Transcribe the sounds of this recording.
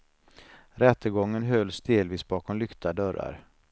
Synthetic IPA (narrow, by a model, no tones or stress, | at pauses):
ɾɛt̪ːəɡɔŋːənɦœlːsd̪eːlviːsbɑːkʰɔmlʏkt̪ad̪œɾa̰ɾ